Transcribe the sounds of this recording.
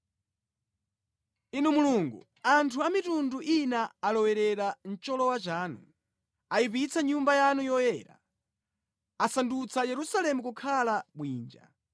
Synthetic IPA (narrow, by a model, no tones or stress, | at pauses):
inumuluŋɡṵ | antʰuamitunduʔinaːlɔwɛɾɛɾan̩t͡ʃɔlɔwat͡ʃaːnu | aipit͡sʰaɲumbajanujɔjɛːɾa̰ | asandut͡sʰajɛɾusalɛmukukʰalaɓwiːnd͡ʒa̰